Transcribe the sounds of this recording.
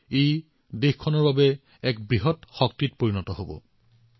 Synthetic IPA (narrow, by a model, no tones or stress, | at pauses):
ej | dexkʰɔnɔɹbabɛ | ɛk̚bɹiɦɔtxɔk̚tit̚poɹinɔtɔɦobɔ̰